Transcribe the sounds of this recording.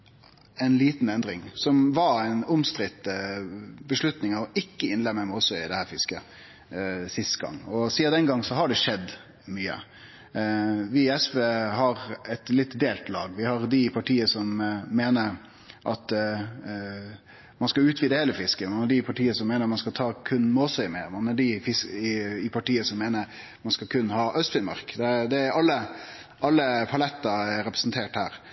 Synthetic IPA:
ɛɪnliːt̪n̩ɛnd̪ɾɪŋsɔmʋɑɛɪnʊmst̪ɾɪt̪ːəbəʂlʉt̪nɪŋɑʋɔʔɪkːəɪnlɛməməɔsɔɪd̪ɛhæːɾfɪskə | sɪst̪ɡɑ̰ŋːɔsiːɑd̪ɛnɡɑŋːsɔɦɑɖɛʂɛd̪ː | myːə̰ | ʋɪɛspeːɦɑɾɛt̪lɪt̪d̪eːlt̪lɑ̰ːɡʋɪhɑɾd̪ɪpʰɑʈʰiːəsɔmːeːnəɾ | ʔɑt̪ | mɑnskɑʉːt̪ʋiːd̪əheːləfɪskəmɑnhɑɖɪpʰɑʈiːəsɔmːeːnəɾmɑnskɑt̪ʰɑːkʰʉnːmoːsɛɪmɛmɑnɑɖɪfɪsɪɪpʰɑʈiːəsɔmːeːnəɾ | mɑnskɑkʰʉnhɑːʔœst̪fɪnmɑ̰ɾkd̪ɛd̪ɛæɾɑlːə | ʔɑlːəpʰɑlɛt̪ːɑɛɾɾɛpɾəsnt̪ʰeːʈhæ̰ːɾ

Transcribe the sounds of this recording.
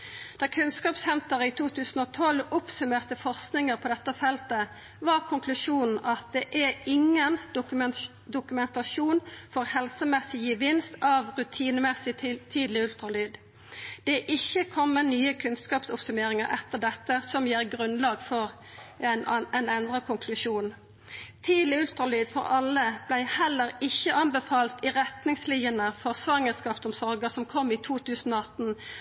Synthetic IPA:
d̪̥ɑkʰʉnskɑːpshɛnt̪əʁəiːt̪ʰuːt̪ʰʉːsn̩oːt̪ʰɔlʊpsʉmeːʁt̪əfɔʁsknɪŋəʁpʰɔːd̪ɛt̪ːəfɛlt̪ə | ʋɑʁkʰʊŋkʰlʉʂuːnn̩ʔɑt̪̚d̪ɛʔæɪŋːən | d̪ʊkʉmɛnt̪ɑʃuːnfɔʁhɛlsəmɛsɪjəʋɪnst̪ɑʋʁʉt̪ʰiːnəmɛsɪɪt̪ʰiːd̪lɪʉlt̪ɾɑlyːd̪ | d̪̥ɛʔɪçːəkʰɔmːənyːəkʰʉnskɑːpsʊpsʉmeːʁɪŋəʁɛt̪ːəʁd̪ɛt̪ːəsɔmjeːʁɡʁʉnlɑːɡfɔʁ | nɛnɛnd̪ʁəkʰʊŋkʰlʉʃuːn | t̪ʰiːd̪lɪʉlt̪ɾɑlyːd̪fɔ̰ʁɑlːəb̥læɪhɛlːəɾɪçːəʔɑnbɛfɑːlt̪ɪʁɛt̪nɪŋsliːənəfɔʁsʋɑŋəskɑːpsɔmsɔʁɡəsɔmkʰɔmːiːt̪ʰuːt̪ʰʉːsn̩oːɑt̪n̩

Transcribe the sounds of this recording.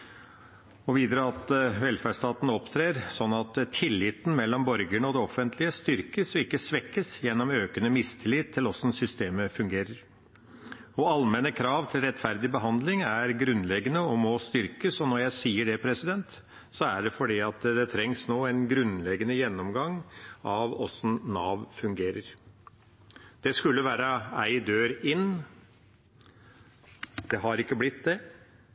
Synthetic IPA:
ɔʋiːd̪ɾəɑt̪ʋɛlfæʂt̪ɑːt̪nɔpt̪ʰɾeːɾsɔnːɑt̪t̪ʰɪlːɪt̪n̩mɛlːɔmbɔɾɡəɳəɔd̪ɛɔfənt̪ʰlɪəst̪ʏɾkəsɔɪkːəsʋɛkːəsjɛnːɔmøːkənəmɪst̪ʰɪlɪt̪ʰːɪlɔsn̩sʏst̪eːməfʉŋɡeːɾəɾ | ɔɑlmɛnəkʰɾɑːʋt̪ʰɪlɾɛt̪ːfæɾd̪ɪbəɦɑnd̪lɪŋæɾɡɾʉnlɛɡənəɔmɔst̪ʏɾkəsɔnɔɾjæɪsiːəɖɛpʰɾɛsɪd̪ɛnt̪ | sɔæɖɛfɔɖiːɑt̪d̪ɛt̪ʰɾɛŋsnoːænɡɾʉnlɛɡənəjɛnːɔmɡɑŋɑʋɔsn̩nɑːʋfʉŋɡeːɾəɾ | d̪̥ɛskʉlːəʋæːɾəæɪd̪øːɾɪnː | d̪̥ɛɦɑɾɪkːəblɪt̪d̪ɛ

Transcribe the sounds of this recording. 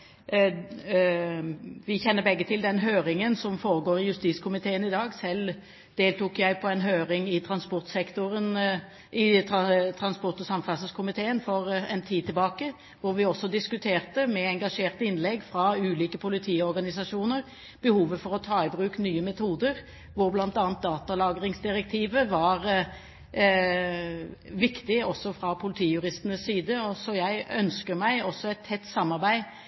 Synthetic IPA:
ʋɪçɛnːəɾbɛɡːət̪ʰɪld̪ɛnɦøːɾɪŋənsɔmfoːɾəɡoːɾɪjʉst̪iːskʰʊmɪt̪ʰeːənɪd̪ɑːɡsɛl | d̪̥eːlt̪uːkjæɪpʰɔɛnɦøːɾɪŋɪt̪ʰɾɑnspɔʁt̪sɛkt̪ʊɾən | ʔɪt̪t̪ʰɾɑnspɔʁt̪ɔsɑmfɑsəskʰʊmɪt̪ʰeːənfɔɾɛnt̪ʰiːd̪̚t̪ɪɛlbɑːkə | ʋʊɾʋɪɔsːɔd̪ɪskʉt̪ʰeːʁt̪əmɛɛŋɡɑʂeːʁt̪əɪnlɛɡːfɾɑʉːliːkəpʰʊlɪt̪ʰiːɔɾɡɑnɪs̬ɑʂuːnəɾ | b̥əhuːʋəfɔɾɔt̪ʰɑːɪbʁʉːknyːəmɛt̪ʰuːd̪əɾ | ʋʊɾblɑnt̪ɑːnt̪̚d̪ɑːt̪ɑlɑːɡɾɪŋsd̪ɪɾɛk̚t̪ʰiːʋəʋɑɾ | ʋɪkt̪ɪɔsːɔfɾɑpʰʊlɪt̪ʰiːjʉʁɪst̪ənəsːiːd̪əɔsɔjæɪœnskəɾmæɪɔsːɔɛɪt̪ʰːɛt̪ːsɑmːɑʁbæɪ

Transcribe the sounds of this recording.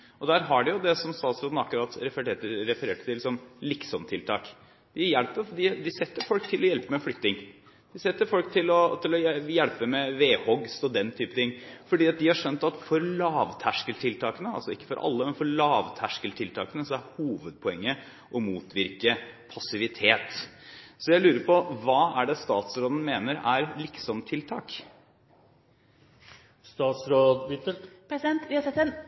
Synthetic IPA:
ʔɔd̪æːɾɦɑɖɪjʊd̪ɛsɔmst̪ɑːt̪sɾoːd̪n̩ɑkːɾɑːt̪ɾɛfəʈeːt̪əɾɾɛfəɾeːʈət̪ɪlːɪsɔmlɪksɔmt̪ʰɪlt̪ʰɑːk | d̪̥ɪjælpəd̪ɪd̪ɪsɛt̪ːəɾfɔlkt̪ʰɪlɔjɛlpəmɛflʏt̪ːɪŋ | d̪̥ɪsɛt̪ːəɾfɔlk̚t̪ʰɪlɔt̪ʰɪlɔjjɛlpəmɛʋeːhɔɡst̪ɔd̪ɛnt̪ʰyːpət̪ʰɪŋːfɔɖiːɑt̪̚d̪ɪhɑɾʂœnt̪ɑt̪fɔɾlɑːʋt̪ʰæʂkəlt̪ʰɪlt̪ʰɑːkənəɑ̰lsɔɪkːə̥fɔɾʔɑ̰lːəmɛnfɔɾɭɑːʋt̪ʰæʂkəlt̪ʰɪlt̪ʰɑːkənəsɔæɾhuːʋəd̪̚pʰɔɛŋːə | ʔɔmuːt̪ʰʋɪɾkəpʰɑsɪʋɪt̪ʰeːt̪ | sɔjæɪlʉːɾəɾpɔʋɑːæɖɛst̪ɑːt̪sɾoːd̪ən̩meːnəɾæɾlɪksɔmt̪ʰɪlt̪ʰɑ̰ːk | st̪ɑːt̪sɾoːd̪ɪt̪əpʰɾɛsɪd̪ɛnt̪ʋɪhɑsɛt̪ːɛn

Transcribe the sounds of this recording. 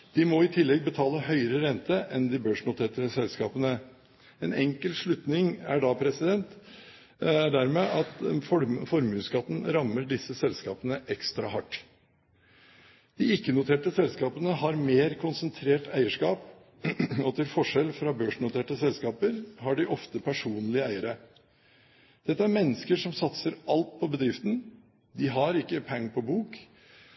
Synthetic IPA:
d̪̥ɪmɔɪt̪ʰɪlːɛɡ̚bət̪ʰɑːləhœʏəɾəɾɛnt̪əʔɛnd̪ɪbøːʂnʊt̪ʰeːʈəsɛlskɑːpənə | ɛːnɛŋkəlʂɭʉt̪nɪŋæɖɑːpʰɾɛsɪd̪ɛnt̪ | æɖæɾmeːʔɑt̪fɔfɔɾmʉːskɑt̪n̩ɾɑmːəɖɪsːəsɛlskɑːpənəʔɛkst̪ɾɑhɑʈː | d̪̥ɪɪkːənʊt̪ʰeːʈəsɛlskɑːpənəhɑɾmeːɾkʰʊnsənt̪ʰɾeːʈæɪəʂkɑːp | ɔt̪ʰɪlfɔʂɛlfɾɑbøːʂɳʊt̪ʰeːʈəsɛlskɑːpəɾhɑɖɪʔɔft̪əpʰæʂuːnlɪəæɪəɾə | d̪̥ɛt̪ːəæɾmɛnːəskəʂɔmsɑt̪səɾɑlt̪̚pʰɔbəd̪ɾɪft̪n | d̪ɪɦɑɾɪkːəpʰɛŋːpʰɔbuːk

